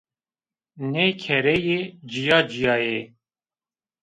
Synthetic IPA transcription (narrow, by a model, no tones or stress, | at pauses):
neːkʰɛɾɛjeːd͡ʒijɑːd͡ʒijɑːje